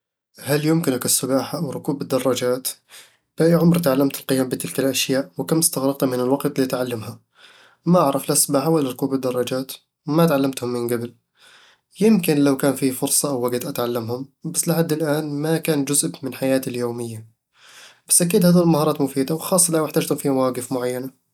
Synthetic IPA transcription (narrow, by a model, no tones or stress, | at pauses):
haljʊmkɪnakɪsːʊbaːħaʔawɾˤʊkuːbɪd̪ːɑrˤːɑd͡ʒaːt̪ | b̥aʔiʕʊmɾˤt̪ʕalːamt̪ɪlqɪjaːmbɪt̪ɪlkalʔaʃjaːʔwɪkamɪst̪aɣɾɑq̚t̪mɪnɪlwɑɡt̪ˤlit̪ʕalːamha | maʔaʕɾˤɑflasʊbaːħawalaɾˤʊkuːbɪd̪ːɑrˤːɑd͡ʒaːt̪ | wmat̪ʕalːamt̪hʊmːɪnɡabɪl | jɪmkɪnlawkaːnfiːfʊɾsˤɑʔawːaɡt̪ʔat̪ʕalːamhʊmbasːlɪħad̪ːɪlʔaːnmakaːnd͡ʒʊzbmɪnħajaːt̪ɪljoːmɪjːa | b̥ḁsːʔakiːd̪haːðiɪlmahɑːɾˤɑːt̪mʊfiːd̪awxɑːsˤːɑlawɪħt̪aːd͡ʒt̪hʊmfiːmawaːɡɪfmʊʕajːana